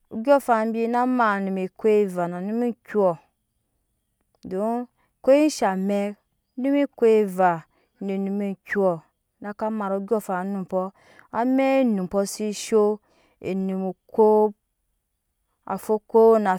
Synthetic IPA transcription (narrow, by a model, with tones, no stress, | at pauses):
u˨ɡʲɔ˦fa˨˦bi˦na˦ma˨nu˨mi˨ko˦e˦˨va˨na˨nu˦mi˦kʲu˦ɔ˨ | do˦ | ko˦i˦ʃa˨mɛ˦ | nũ˦mi˦ko˦e˦va˨ | ne˨nu˨mi˦˨kʲu˦ɔ˨ | na˦ka˦ma˨ɾo˨u˦ɡʲɔ˦fa˨˦nũ˨m˨pɔ˦ | a˦mɛ˦nu˨pɔ˦si˦ʃo˦ | ḛ˨nũ˨mu˨kʰo˦ | a̰˨fo˦ko˦na˨